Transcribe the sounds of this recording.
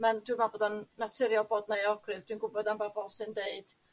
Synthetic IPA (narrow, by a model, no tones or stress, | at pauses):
mɛndwɨmabodɔnːatʰɪɾjɔbɔdnajɔɡrɨðd̥winɡʊbɔdambabɔlˠsɨndeɨd̥